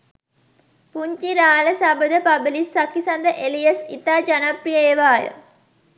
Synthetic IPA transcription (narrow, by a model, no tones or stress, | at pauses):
puɲt͡ʃiɾaːləsabəd̪əpɐbəlisːakːisɐnd̪əʔelijəsit̪aːd͡ʒanaprijəːʋaːjə̰